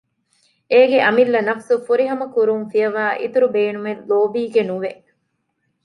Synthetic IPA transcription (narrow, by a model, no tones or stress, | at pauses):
eːɡeʔɐmilːɐnɐfsufuɾiɦɐmɐkuɾunfijɐʋaːʔḭt̪uɾubeːnumellːoːbiːɡenuʋe